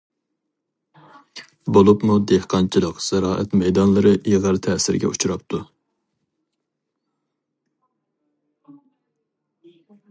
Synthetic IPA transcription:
bolˠupmud̪ehqʰɑnt͡ʃʰilˠəqz̥æɾɑːʔɛ̰t̪mɛjd̪ɑnlˠɨɾɨʔiʁəɾt̪ʰɛːsɪɾɡʲɛ̰ut͡ʃʰuɾɑpt̪ʰu

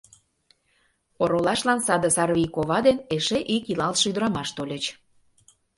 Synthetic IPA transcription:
oɾolɑʃlɑnsɑd̪ə̆sɑrβʲijkoβɑd̪eneʃeʔikilɑlʃyd̪əɾɑmɑʃt̪olʲĕt͡ɕ

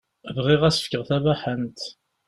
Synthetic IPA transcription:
vʁɪʁæsə̥fkəʁθævæħənt̪

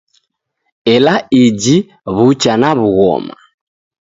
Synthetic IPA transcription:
ɛlaid͡ʒi | βut͡ʃanaβuɣɔ̰ma̰

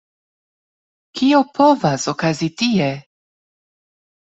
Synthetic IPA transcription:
kio̞pʰo̞vasokazitie

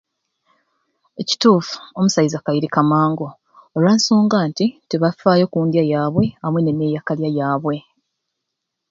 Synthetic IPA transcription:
e̞ci̥tuːfu̥o̞musajizakajiɾikamaːŋɡo̞ː | ɾwaːnsoːŋɡaːntiteβafaːjo̞kuːndjajaːβwe̞amwene̞mejakaljajaːβwe̞

